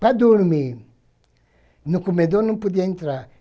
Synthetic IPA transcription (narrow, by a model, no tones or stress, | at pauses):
k͡paduɾumi | nukumɛdɔnũpudɛntɾa